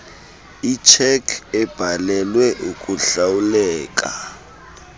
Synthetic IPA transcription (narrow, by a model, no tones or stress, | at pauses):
it͡ʃʰɛkʰɛb̥ʱalɛlwɛʔukʼuɬawulɛːk̬ʼa̰